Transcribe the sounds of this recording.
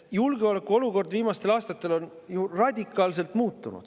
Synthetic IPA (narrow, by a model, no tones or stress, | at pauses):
julɡ̥eo̞le̞kːˑuo̞luko̞rd̪viːmɑst̪e̞lɑːst̪ɑt̪ːˑe̞lo̞n | jurɑd̪ʲikːˑɑːls̬e̞lt̪muːt̪ːˑunṵd̪̥